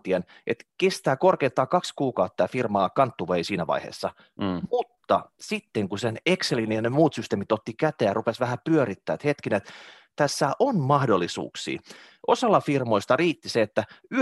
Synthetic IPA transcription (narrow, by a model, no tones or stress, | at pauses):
t̪ienʔet̪kest̪æːkorkeint̪ːɑːkɑkskuːkɑut̪ːɑːfirmɑːkɑnt̪ːuʋeisiːnæʋɑ̰ihḛːsːɑ | mut̪ːɑsit̪ːeŋkusenekselinijɑnemuːt̪syst̪eːmit̪ot̪ːikæt̪eːjɑrupesʋæhæpyøɾit̪ːæ̰ːt̪het̪kinet̪ | t̪æsːæʔonmɑhdolːisṵːksḭː | ʔosɑlːɑfirmoist̪ɑriːt̪ːiseet̪ːæy